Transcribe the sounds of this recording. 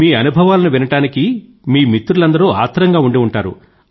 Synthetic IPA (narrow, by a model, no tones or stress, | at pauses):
miːɐnubʱɐʋaːlɐnuʋinɐʈaːniki | miːmit̪ːuɾulɐnd̪ɐɾua̰ːt̪ʰːɐɾɐŋɡaːuɳɖiuɳʈaːɾṵ